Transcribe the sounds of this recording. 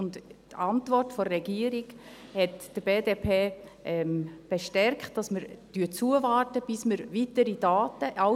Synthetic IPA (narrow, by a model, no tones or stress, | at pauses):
ʊnttɑntvɔrtfɔːɛɡiəɾiɡ | hɛtd̥əb̥eːdepʰeːʔɛmb̥eʃtɛɾkχtd̥ɑsməɾd̥yət͡suəvɑːɾtəb̥ɪsməɾvitəɾid̥ɑːtəʔɑ